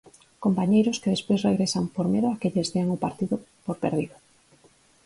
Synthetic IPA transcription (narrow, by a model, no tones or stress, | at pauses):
kompaɲejɾʊskeðespojsreɣɾesampoɾmeðʊakeʎezðeaŋopaɾt̪iðʊpoɾpḛɾðiðoʊ